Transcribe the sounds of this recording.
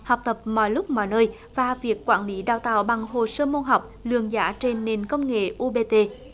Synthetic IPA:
ha˨˩wk͡p̚t̪ə˨˩p̚mɔ̰˧˨jlʊ˦˥k͡p̚mɔ̰˧˨jnəː˧j | vaː˨˩vi˨˩əkːwaː˧˥nli˨˦ɗaː˧˩wt̪a̰ː˧˨wɓa˨˩ŋɦo˨˩səː˧mo˧nɦa˨˩wk͡p̚lɨ̰˧˨əŋza̰ː˧˦˥t͡ɕe˧nːe˨˩nkə˧wŋ͡mŋḛ˧˨ʔu˧ɓe˧t̪e˧

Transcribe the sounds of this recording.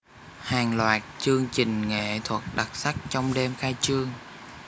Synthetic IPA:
haː˨˩ŋlwaː˨˩t̚t͡ɕɨ˧əŋt͡ɕï˨˩ŋ̟ŋḛ˧˩˨t̪ʰwə˨˩t̚ɗa˨˩t̚sa˦˥k̚t͡ɕɔ˧wŋ͡mɗe˧mxaː˧jt͡ɕɨ˧əŋ

